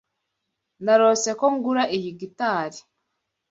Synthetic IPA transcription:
naɾose̞koŋɡuɾaʔijiɡitaːɾi̥

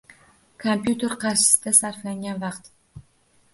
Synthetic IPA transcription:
kʰompjut̪ʰe̞ɾqʰɑɾʃɪ̥sɪd̪asaɾflaŋɡʲanvɑqt̪

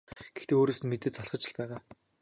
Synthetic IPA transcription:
ɡ̥ext̪eːoːɾoːsɘ̆nmet̪ɘ̆t͡ɕt͡saɮχə̆t͡ɕɪ̆ɮpæːʁaː

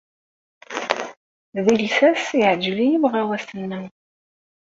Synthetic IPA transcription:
ðilsæsiʕəd͡ʒlijəvʁæwæsənːæ

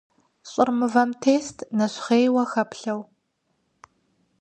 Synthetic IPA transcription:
ɕʼɪrmɨvɐmtʰeːstʰnɐɕχeːjwɐxɐpɬɐw

